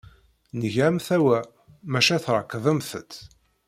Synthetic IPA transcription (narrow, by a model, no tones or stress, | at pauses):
nəʝʕæmθæwæ | mæʃæθɾˤəkːðˤəmθət̪ː